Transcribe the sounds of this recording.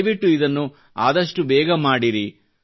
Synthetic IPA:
jʋiʈːuid̪ɐnːu | aːd̪ɐʂʈubɛːɡɐmaːɽiɾi

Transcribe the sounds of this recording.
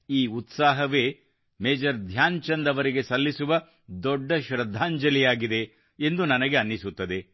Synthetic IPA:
iːut̪saːɦɐʋe̞ː | meːd͡ʒɐɾd̪ʱjaːnt͡ʃɐnd̪ɐʋɐɾiɡe̞sɐlːisuʋɐ | d̪ɔɖːɐʃɾɐd̪ʱːaːɲd͡ʒɐlijaːɡid̪e̞ː | nd̪unɐnɐɡeɐnːisut̪ːɐd̪e̞

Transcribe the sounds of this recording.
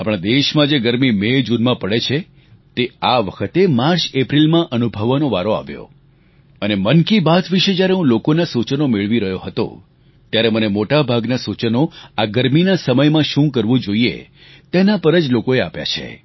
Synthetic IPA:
apɽ̃ãd̪eʃmãd͡ʒeɡəɾmimed͡ʒunmãpəɽet͡ʃʰe | t̪eaʋəkʰət̪emaɾt͡ʃepɾilmãʔənubʱəʋanoʋaɾoa̰ʋjo̰ | ənemənkibat̪ʰʋiʃed͡ʒjaɾeɦũlokonasut͡ʃnomeɭʋiɾəɦjoɦət̪o̰ | t̪jaɾemənemoʈabʱaɡnasut͡ʃənoaɡəɾminasəməjmãʃũkəɾʋũd͡ʒoiḛ | t̪enapəɾəd͡ʒlokoeapja̰t͡ʃʰḛ

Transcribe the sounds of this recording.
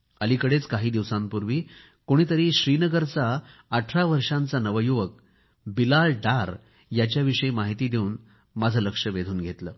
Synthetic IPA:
əlikəɽet͡skaɦiːd̪iʋsãmpuɾʋiː | koɽ̃it̪əɾiːɕɾiːnəɡəɾt͡saːʈʰɾaʋəɾʂãnt͡sanəʋəjuʋək̚ | bilaɭɖaɾ | jat͡ɕjaʋiʂəemaɦit̪iːd̪ʱeuːn | mad͡zʱələkʂəʋed̪ʱuːnɡʱet̪ləː

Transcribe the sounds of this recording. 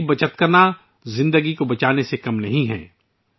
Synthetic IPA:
bɐt͡ʃət̪kɐɾna | zɪ̃nd̪əɡikobɐt͡ʃaːnesekɐmnɐɦĩɦɛ̰̃ː

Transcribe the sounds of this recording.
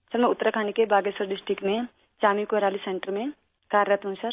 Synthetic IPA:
səɾmɛ̃ʊt̪ːəɾakʰaːnekebaːɡesəɾɖɪsʈɾɪkʈmẽ | t͡ʃaːmikoɦɾaːlisẽɳʈəɾmẽ | kaːɾɾət̪ɦũsəɾ

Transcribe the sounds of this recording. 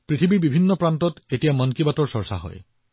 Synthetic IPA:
pɹitʰibiɹbibʱinːɔpɹantɔtetijamɔnkibatɔɹsɔɹsa̰ɦɔ̰j

